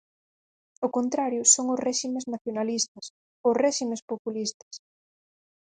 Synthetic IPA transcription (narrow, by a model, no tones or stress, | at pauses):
okont̪ɾaɾjʊsoŋʊsrɛʃimeznaθjonalist̪ɐs | ʊsrɛʃimespopulist̪ɐ̥s